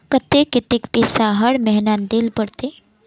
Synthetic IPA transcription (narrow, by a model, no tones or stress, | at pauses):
kət̪ekɪt̪ɪkpeːsaɦɐɽmɛɦnand̪ɪlbəɽt̪e